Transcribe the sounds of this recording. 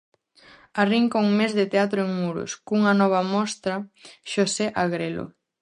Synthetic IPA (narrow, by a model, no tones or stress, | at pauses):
ariŋkouŋmezðɪt̪eat̪ɾʊeŋmuɾʊ̰skuŋɐnɔβ̞ɐmɔst̪ɾɐʃoseʔaɣɾelo̰